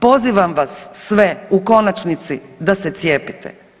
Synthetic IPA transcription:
po̞ziʋamʋasːʋeuko̞nat͡ʃnit̪sid̪ase̞t̪sje̞ːpit̪ʰḛ

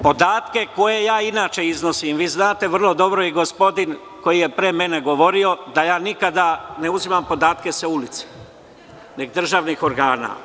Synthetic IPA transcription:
po̞d̪aːt̪ke̞ko̞je̞jaːinaːt͡ʃe̞izno̞simʋiːznaːt̪e̞ʋr̩lˠo̞d̪o̞bɾo̞iɡo̞spo̞d̪in | ko̞jije̞pɾe̞me̞ne̞ɡo̞ʋo̞ɾio̞d̪ajaːnikad̪ane̞uzimampo̞d̪aːt̪ke̞seulit̪se̥ | ne̞ɡd̪r̩ʒaːʋnixo̞ɾɡaːna̰

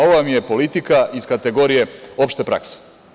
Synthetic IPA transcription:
o̞ʋʋmije̞po̞lit̪ikaʔiz̥kat̪e̞ɡo̞ɾije̞o̞pʃt̪e̞pɾa̰kse̥

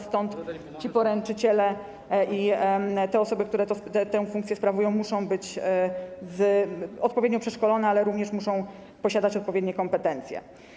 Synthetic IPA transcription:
st̪ɔnt̪ | t͡ɕipɔɾɛnt͡ʂɘt͡ɕɛlɛ | it̪ɛɔsɔbɘk̚t̪uɾɛt̪ɔt̪ɛt̪ɛw̃fuŋkt̪sjɛspɾavujɔ̃w̃muʂɔ̃w̃bɘt͡ɕ | zɔt̪pɔvʲjed̪ɲɔpʂɛʂkɔlɔnɛalɛɾuvɲɛʂmuʂɔ̃w̃ | pɔɕad̪at͡ɕɔt̪̚pɔvʲjed̪ɲɛkɔmpɛt̪ɛnt̪sʲjɛ̰

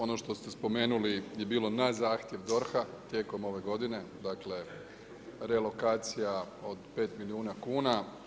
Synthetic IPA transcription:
o̞no̞ʃt̪o̞st̪e̞spo̞me̞ːnulijebiːlo̞nazaːxt̪je̞ʋd̪o̞ɾxat̪je̞ko̞mo̞ʋe̞ɡo̞d̪ine̞d̪akle̞ | ɾe̞lo̞kaːt̪sijao̞d̪pe̞ːt̪miliuːnakuːna

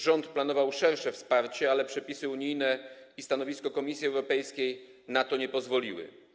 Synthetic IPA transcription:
ʐɔnt̪planɔvawʂɛɾʂɛfspaɾt͡ɕɛalɛpʂɛpʲisɘuɲijnɛist̪anɔvʲiskɔkɔmʲisʲjiɛwɾɔpɛjskʲej | nat̪ɔɲɛpɔzvɔlʲiwɘ̰

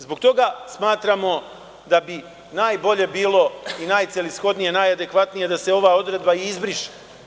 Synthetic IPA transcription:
zbok̚t̪o̞ɡasmaːt̪ɾamo̞ | d̪abi | naːjbo̞ʎe̞biːlˠo̞inajt̪sʲjelisxo̞d̪nije̞najad̪e̞kʋat̪nije̞d̪ase̞o̞ʋao̞d̪ɾe̞d̪baiizbɾiʃi̥

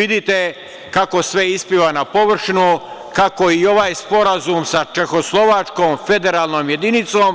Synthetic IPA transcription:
id̪it̪e | kako̞sʋe̞ispiʋanapoʋr̩ʃnukako̞io̞ʋaːjspo̞ɾazumsat͡ʃe̞xo̞slˠo̞ʋat͡ʃkoːmfe̞d̪e̞ɾaːlˠnoːmje̞d̪init̪soːm

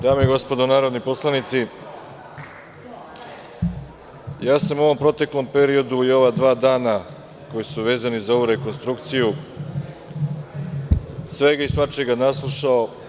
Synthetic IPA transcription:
d̪aːmeiɡo̞spod̪onaːɾo̞d̪nipo̞slˠanit̪si | jaːsamuo̞ʋo̞mpɾo̞t̪e̞klˠo̞mpe̞ɾio̞d̪uio̞ʋad̪ʋaːd̪aːna | ko̞jisuʋe̞ːzanizao̞ʋuɾe̞ko̞nst̪ɾukt̪siju | sʋe̞ɡaisʋat͡ʃeɡanaslˠuʃao

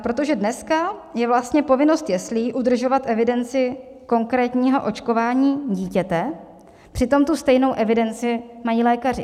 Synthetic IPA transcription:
ʔapɾo̞t̪o̞ʒɛdnɛskajɛvlast̪ɲɛpo̞vɪno̞st̪jɛsliːʔudr̩ʒo̞vat̪ʔɛvɪdɛnt͡sɪ | ko̞ŋkɾɛːt̪ɲiːɦo̞̰ʔo̞t͡ʃko̞vaːɲiːɟiːcɛt̪ɛ | pr̥ɪt̪o̞mt̪ust̪ɛjno̞wʔɛvɪdɛnt͡sɪmajiːlɛːkarɪ̰

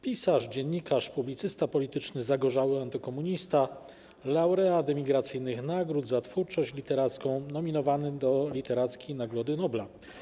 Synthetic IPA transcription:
pʲisaʐd͡ʑɛɲːikaʂpublʲit̪sɘst̪apɔlʲit̪ɘt͡ʂnɘzaɡɔʐawɘant̪ɔkɔmuɲist̪a | lawɾɛad̪ɛmʲiɡɾat̪sɘjnɘxnaɡɾud̪zat̪fuɾt͡ʂɔɕt͡ɕlʲit̪ɛɾat̪skɔ̃w̃nɔmʲinɔvanɘd̪ɔlʲit̪ɛɾat̪skʲejnaɡɾɔd̪ɘnɔbla

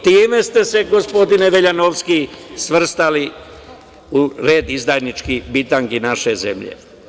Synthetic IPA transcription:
t̪iːme̞st̪e̞se̞ɡospo̞d̪ineʋeʎanoʋskisʋr̩st̪ali | uɾe̞ːd̪izd̪ajnit͡ʃkibit̪aŋkinaʃe̞ze̞̰mʎḛ

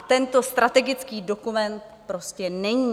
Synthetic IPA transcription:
t̪ɛnt̪o̞st̪ɾat̪ɛɡɪt͡skiːdo̞kumɛnt̪pɾo̞scɛnɛɲiː

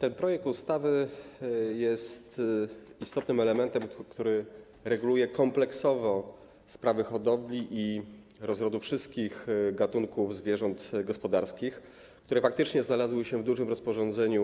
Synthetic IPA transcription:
t̪ɛnpɾɔjɛk̚t̪ust̪avɘ | jɛst̪ist̪ɔt̪nɘmɛlɛmɛnt̪ɛmkt̪uɾɘ | ɾɛɡulujɛkɔmplɛksɔvɔ | spɾavɘxɔd̪ɔblʲiʔi | ɾɔzɾɔd̪ufʂɘst̪̚kʲixɡat̪uŋkuvzvʲjɛʐɔnt̪ɡɔspɔd̪aɾskʲix | k̚t̪uɾɛfak̚t̪ɘt͡ʂɲɛznalazwɘɕɛvd̪uʐɘmɾɔspɔʐɔ̃nd̪zɛɲu

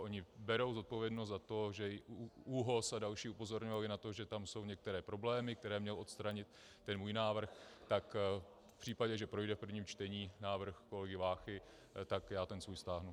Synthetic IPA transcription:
ʔo̞ɲɪbɛɾo̞wzo̞t̪̚po̞vjɛdnost̪zat̪o̞ʒɛuɦo̞sadalʃiːupo̞zo̞ɾɲovalɪnat̪o̞ʒɛt̪amso̞wɲɛk̚t̪ɛɾɛːpɾo̞blɛːmɪk̚t̪ɛɾɛːmɲɛlo̞t̪st̪ɾaɲɪt̪ː | ɛnmuːjnaːvr̩xt̪ak | pr̥iːpaɟɛʒɛpɾo̞jdɛfpr̩vɲiːmt͡ʃt̪ɛɲiːnaːvr̩xko̞lɛɡɪvaːxɪ | t̪akjaːt̪ɛnsvuːjst̪aːɦnu

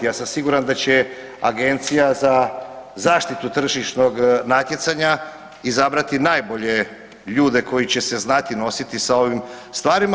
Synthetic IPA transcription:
asamsiɡuɾand̪at͡ɕe̞ | aɡe̞nt̪sijazazaːʃt̪it̪ut̪r̩ʒiʃno̞ɡnat̪je̞t̪saɲa | izabɾat̪inaːjbo̞ʎe̞ | ʎuːd̪e̞ko̞jit͡ɕe̞se̞znat̪ino̞sit̪isao̞ʋimst̪vaːɾima

